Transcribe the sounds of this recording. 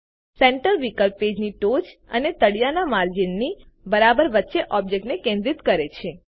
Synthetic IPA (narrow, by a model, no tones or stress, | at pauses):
sẽɳʈəɾʋikəlpːed͡ʒniʈod͡ʒə̰net̪əɽijanamaɾd͡ʒinːi | bəɾabəɾʋətːʃeʔɔb̚d͡ʒek̚ʈnekẽnd̪ɾit̪kəɾet͡ʃʰe